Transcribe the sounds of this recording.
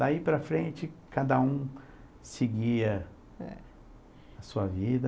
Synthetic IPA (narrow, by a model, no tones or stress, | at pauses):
d̪aipɾɐfɾẽnt͡ʃɪkad̪ɐũ | seɡiɐ | ɛ | ɐsuɐvid̪ɐ